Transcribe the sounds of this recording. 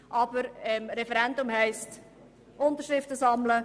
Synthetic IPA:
ʔɑb̥əɾɛmɾɛfɛɾɛndʊmhɛɪst | ʔʊnt̪əɾʃɾɪftəsɑmlə

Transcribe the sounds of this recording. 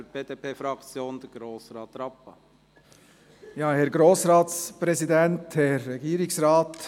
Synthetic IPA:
əɾb̥eːd̪eːpʰeːfɾɑkt͡sjoːnd̥̪əɡ̥ɾoːsɾɑːt̪ɾɑpːə | jɑːhɛɾɡɾoːsɾɑːtspɾɛzidɛnthɛɾːɛɡiːɾɪksɾɑːt

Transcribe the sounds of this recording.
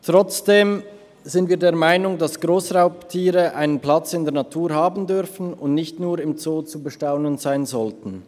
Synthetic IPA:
tʁ̥ɔt͡sd̥eːm | z̥ɪntviːɐdeːɐmaɪnʊŋdasɡ̥ʁoːsʁaʊptʰiːʁəʔaɪnənplat͡sɪndeːɐnatʰuːʁɦaːbn̩dʏʁfn̩ʊndnɪçtnuːɾɪmt͡soːt͡subəʃtaʊnənzaɪnzɔltn̩

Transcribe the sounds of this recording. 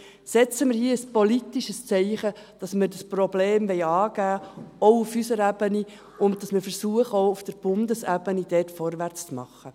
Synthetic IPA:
sɛt͡səmɪɾhiəəspɔlitiʃəst͡sɛɪχə | d̥ɑsməɾdɑsprɔbleːmʋɛɪjɑːɡ̥æːɔʊufysəɾæb̥əni | ʊnt̚dɑsməɾfəɾsuəχəoʊufd̥əɾb̥ʊndəsæbənid̥ɛtfɔrʋært͡st͡smɑ̰χːə

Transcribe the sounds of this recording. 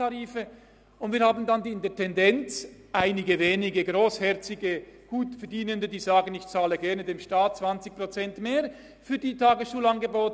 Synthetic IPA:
aʁiːfə | ʊntv̥iːɐhaːbn̩dandiːɪndɛɐtʰɛndɛnt͡sʔaɪnɪɡəveːnɪɡəɡʁoːshɛɐt͡sɪɡəɡ̥uːtfɛɐdiːnəndədiːzaːɡənɪçt͡saːləɡɛʁnədeːmʃtaːt̚t͡sv̥ant͡sɪç̚pʁ̥ot͡sɛntmeːʁ | fyːɐdiːtʰaːɡəsʃuːlanɡəboːt

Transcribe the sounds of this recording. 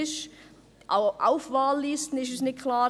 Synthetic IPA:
ɪʃ | ʔʔa̰ʊfvaːlːiːstn̩ɪʃ̬ɛsnɪt̚kʰlaː

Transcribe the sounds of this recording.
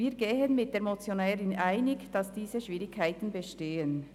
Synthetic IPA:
iːɡeːɦənmɪt̚d̥eːɾmot͡sjonɛːʁɪnʔaɪnɪɡd̥ɑsd̥iːzəʃv̥iːʁɪkʰːaɪtn̩bəʃteːən

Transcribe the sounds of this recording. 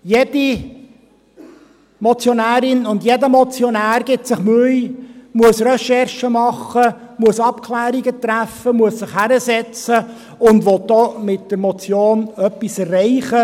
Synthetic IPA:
jedi | mɔt͡sjɔnæːɾɪnʊndjedəmɔt͡sjɔnæːɾɡɪtsɪχmʉɪjmuəsrɛʃɛrʃəmɑχə | muəsɑpkʰlæːɾiɡətɾæfːəmuəssɪχhæɾəsɛt͡sə | ʊndʋɔt̚dɔmɪt̚d̥əɾmɔt͡sjoːnœpːisɛrːɛɪχə

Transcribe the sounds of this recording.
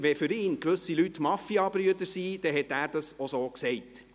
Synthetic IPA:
ʋɛfʏɾɪːnkʋɵsilytːmɑfiɑbɾyədəɾsiːd̥ɛɦɛt̪æːɾd̥ɑsosoːksɛɪt

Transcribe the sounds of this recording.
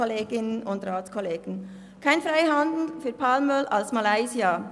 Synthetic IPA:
ɔleːɡɪnənʊndraːt͡skʰɔleːɡ̥n̩ | kʰaɪnfʁaɪɦɑndn̩fyːɐpʰaːlmœla̰lsmalaɪzia

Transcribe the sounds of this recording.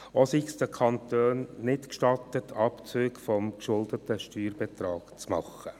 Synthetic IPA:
osiksd̥̪əkʰɑnt̪øːnnɪtkʃtɑtətʰɑpt͡søːkfɔmkʃʊld̪ətəʃtyːɾb̥ɛtɾɑːkt͡smɑχə

